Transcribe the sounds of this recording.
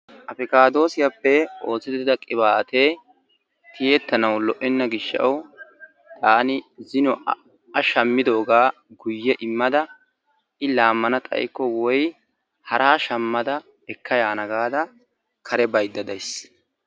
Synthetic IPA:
ʔɐpɪkaːd̪o̞ːsɪjapːɛo̞ːsːɪd̪ɪɪd̪ɐkʼɪβaːt̪eː | t̪ɪjɛt̪ːɐnɐwlɔʔɪnːɐɡɪʃːɐɐw | t̪ʼaːnɪzɪnɔ | ɐʃɐmːɪd̪o̞ːɡaː | ɡʊjːɛʔɪmːɐd̪ɐ | ʔɪlaːmːɐnɐt̪ʼɐ̰jkːɔwɔj | hɐɾʔaːʃɐmːɐd̪ɐ | ɛkːɐjaːnɐɡaːd̪ɐ | kʰɐɾɛbɐjd̪ːɐd̪ɐjs

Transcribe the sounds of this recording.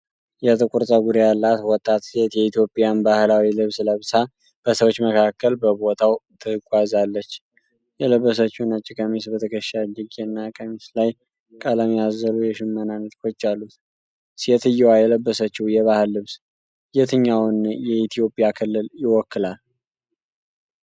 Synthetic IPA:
jɛt̪ʰʼɨkʼuɾt̪ʼəwɡuɾijalːat̪wɔt̪ʼːat̪set̪jɛit̪ʰjo̞pʼjanbahɨlawilɨβsləβsa | b̥əsəwot͡ʃːməkʰakːəlbəbo̞t̪ʰawt̪ʰɨkʼwazalːət͡ʃː | jɛləbːəs̬ət͡ʃːunat͡ʃːikʰəmisbət̪ʰəkʰəʃad͡ʒɪɡʼenːakʰʼəmislaj | kʼaləmjazəlujɛʃɪmːənanːət̪kʰot͡ʃːalːut̪ | set̪ɨjːɛwajɛləbːəsət͡ʃːiwjɛβahɨlːɨβs | jɛt̪ʰɨɲːawnjɛit̪ʰijo̞pʼijakʰɨlːɨljɪwɔkːɨlal

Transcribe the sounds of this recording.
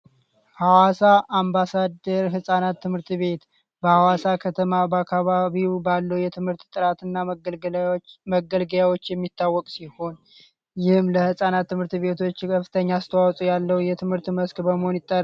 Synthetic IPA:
hawasaʔambasad̪əɾɦɨsʼanat̪ʰːɨmhɨɾt̪βe̞t̪ | bəhawasakʰət̪ʰəmabəakʰːaβaβiwbalːəwjɛt̪ʰɨmhɨɾt̪t̪ʼɨɾat̪ɨnːa | məɡəlɡəlawo̞t͡ʃːjɛmːit̪ʰːawːɔkʼsiho̞n | jɪhmləhɨsʼanat̪ːɨmhɨɾt̪βe̞t̪ʰo̞t͡ʃːkʰəfɨ̥t̪ʰəɲːaast̪ʰəwawsʼujalːəwjɛt̪ʰɨmhɨɾt̪məskbəməhonjɪt̪ʼːar

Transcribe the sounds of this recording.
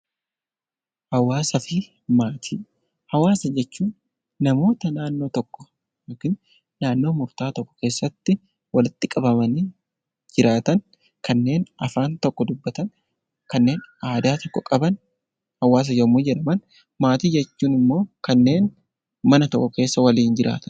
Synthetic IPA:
hɐwaːsɐfɪ | maːt̪ʰiː | hɐwaːsɐd͡ʒɛt͡ʃːuːnː | ɐmo̞ːt̪ɐnaːnːo̞ːt̪ɔkːɔ̥ | joːkɪn | naːnːo̞ːmʊɾt̪aːt̪ɔkːɔ̥ke̞ːsːɐt̪ːɪ | wɐlɪt̪ːɪkʼɐbɐmɐniː | d͡ʒɪɾaːt̪ɐn | kɐnːe̞ːnʔɐfaːnt̪ɔkːɔd̪ʊbːɐt̪ɐn | kɐnːe̞ːnaːd̪aːt̪ɔkːɔkʼɐbɐn | hɐwaːs̬ɐjɐmud͡ʒɛᶑɐmɐn | maːt̪iːd͡ʒɛt͡ʃːuːnɪmːo̞ːkɐnːe̞ːn | mɐnɐt̪ɔkʼːɔke̞ːsːɐwɐliːnd͡ʒɪɾʔa̰ːt̪ɐ̥n

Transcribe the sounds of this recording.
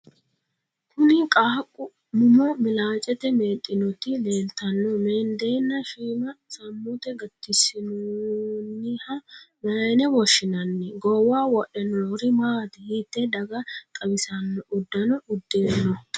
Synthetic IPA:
kʰʊnɪkʼaːkʼːʊ | mʊmɔmɪlaːt͡ʃʼɛt̪ɛmeːt̪ʼːɪnɔt̪ɪleːnt̪ːɐnːɔmeːnd̪e̞ːnːɐʃiːmɐsɐmːut̪ɛɡɐt̪ːɪsɪnunːɪhɐmɐjnɛwɔʃːɪnɐnːɛɡɔwaːwɔʔɛnɔɾɪmaːd̪ɛhɪt̪ːɛd̪ɐɡɐt̪ʼɐbɪsɐnːɔʔʊd̪ːɐnɔʊd̪ːeːnːɔ

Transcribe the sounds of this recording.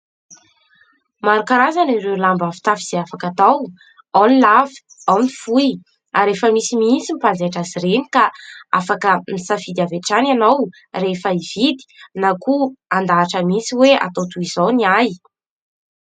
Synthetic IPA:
maɾukaɾazaniɾelambafi̥t̪afiz̥eafakat̪aw | awnilavi̥awnifuj | aɾefəmisimint͡simipanzeʈ͡ʂazireni̥kaa̰fakənisafid̪aveʈ͡ʂananaw | refəivid̪i̥nakuand̪aːʈ͡ʂəmisiwea̰t̪owt̪uizowniaj

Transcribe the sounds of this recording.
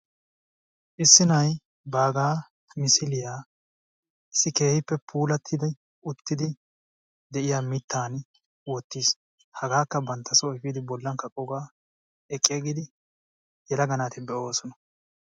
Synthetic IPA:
ʔɪsːɪnɐj | baːɡaː | mɪsɪlɪjaː | ɪsːɪke̞ːhɪpːɛpʰuːlɐt̪ʰːɪd̪ɪ | ʔʊt̪ːɪd̪ɪ | d̪ɛʔɪjaːmɪt̪ːaːn | wɔt̪ːiːs | hɐɡaːkːɐbɐnt̪ʰːɐsɔɪfiːd̪ɪbɔlːɐŋkːɐkʼɔɡaː | ɛkʼːɪɡɪd̪ɪ | jɛlɐɡɐnaːt̪ɪbɛʔo̞ːsɔnɐ̥

